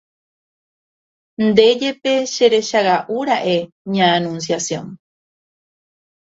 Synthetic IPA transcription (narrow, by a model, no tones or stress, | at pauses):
nd̪e̞d͡ʒe̞peʃeɾe̞ʃaɣaʔuɾaʔe | ɲãːnũns̬jasjõ̰n